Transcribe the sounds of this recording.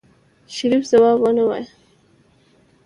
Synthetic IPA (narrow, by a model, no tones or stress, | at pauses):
ʃaɾifz̥awɑbwənawa̰j